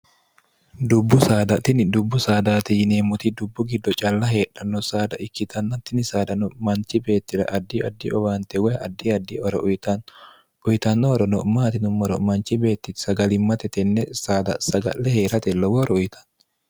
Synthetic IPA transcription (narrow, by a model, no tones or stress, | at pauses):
d̪ʊbːʊsaːd̪ɐt̪ːɪnɪd̪ʊbːʊsaːd̪aːt̪ineːmʊt̪id̪ʊbːʊɡɪd̪ːɔt͡ʃʼɐlːɐɦeːᶑɐnːɔsaːd̪ɐʔɪkːɪt̪ʰɐnːɐt̪ːɪnɪsaːd̪ɐnɔmɐnt͡ʃːɪbe̞ːt̪ːɪɾɐ̰ʔɐd̪ːiɐd̪ːiɔbaːnt̪ɛwɔjɐd̪ːiɐd̪ːiɔɾɔʔʊjt̪ɐn | ʊjt̪ɐnːɔɔɾɔnɔmaːt̪ɪnʊmːɔɾɔmɐnt͡ʃɪbe̞ːt̪ːɪt̪sɐɡɐlɪmːɐt̪ɛt̪ɛnːɛsaːd̪ɐ̰sɐɡɐ̰lːɛheːɾɐt̪ɛlːɔwɔɾɔʊjt̪ʰɐ̥n